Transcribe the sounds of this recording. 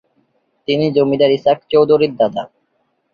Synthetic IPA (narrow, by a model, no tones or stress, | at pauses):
t̪inid͡ʑomid̪aɾisakt͡ɕowd̪ʱoɾiɾd̪ad̪a